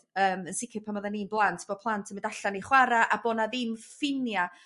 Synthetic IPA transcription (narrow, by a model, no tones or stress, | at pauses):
əːmənsɪkʰɪpʰamɔðaniːnblˠantʰb̥ɔpʰlˠantʰəmɪndaɬaniχwaɾaʔabɔnaðɪmfɪnja